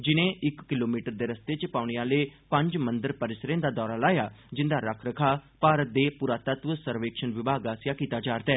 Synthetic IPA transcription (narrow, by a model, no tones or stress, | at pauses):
d͡ʒɪnẽːʔɪkːɪloːmiːʈəɾd̪eːɾəst̪eːt͡ʃpaːʊɳ̃ejaːleːpə̃ɲd͡ʒmə̃nd̪əɾpəɾɪsɾẽːnd̪aːd̪ɔːɾaːlaːjaːd͡ʒɪnd̪aːɾəkʰɾəkʰaːpaːɾət̪̚d̪eːpuɾaːt̪ət̪ʋəsəɾʋeːkʃənʋɪbaːɡaːsjaːkiːt̪aːd͡ʒaːɾt̪ɛː